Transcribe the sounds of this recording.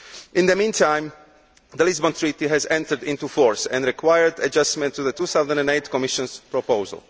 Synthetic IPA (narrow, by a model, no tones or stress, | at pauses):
ʔɪ̃nd̪əmĩːntʰãj̃m | d̪əlizbɔ̃nt̪ɹiːt̪iɦɛzɛ̃nt̪əɹdĩnt̪ufɔɹsɛ̰̃nɹikwajəɹdad͡ʒastmɛ̃nt̪ːuðət̪uːθawzɛ̃nɛ̃neɪt̪kɔmiʃɔ̃nspɹɔpoʊzə̰lˠ